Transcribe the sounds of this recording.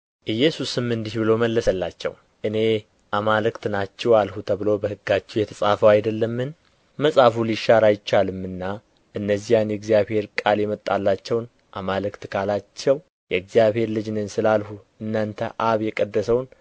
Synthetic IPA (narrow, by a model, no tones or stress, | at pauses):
ʔɨjːɛsusɨmːɨnd̪ihbɨloməlːəsəlːat͡ʃːɛ̰w | ʔɨne̞ | ʔamalɨkt̪nat͡ʃːɛwalhut̪ʰəβɨlo̞bəhɨɡːat͡ʃːɛwjɛt̪ʰəsʼafəwajd̪əlːəmːɨn | məsʼafuliʃaɾajɪt͡ʃːalɨmːɨnːa | ʔɨnːəzːijanjɛɡzijaβhe̞ɾkʼaljɛmət̪ʼːalːat͡ʃːɛwn | ʔamalɨkt̪kʰalat͡ʃːɛw | jɛɡzijaβhe̞ɾlɨd͡ʒnɨnsɨlalhu | ɨnːant̪ʰəʔaβjɛkʼəd̪ːəsəwn